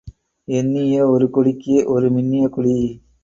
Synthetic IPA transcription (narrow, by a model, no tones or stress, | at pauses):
ɛnːijɐɔɾɯkɔɽɪkːɯʔɔɾɯmɪnːɪjɐkʊɽi